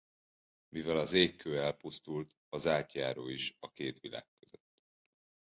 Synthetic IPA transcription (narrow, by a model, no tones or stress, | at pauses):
mivɛlɒzeːkʰːøːɛlpust̪ult̪ | ɒzaːt̪jaːɾoːiʃɒkeːt̪ʋila̰ːkːøzø̰t̪ː